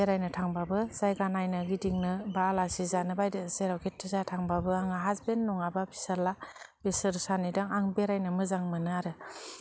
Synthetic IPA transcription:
eɾajnɯtʰaŋbabɯzajɡanajnɯɡidiŋnɯbaːlasizanɯbajdɯseɾawkʰetʰːɯzatʰaŋbabɯaŋaɦazbenːɔŋababʰisalab̥esɯɾsanidaŋaŋbeɾajnɯmɯzaŋmɯnɯaɾɯ

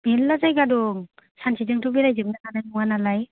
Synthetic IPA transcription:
melːazajɡadɔŋsansʰizɯŋtubilajzɯŋnakanajmuŋanalaj

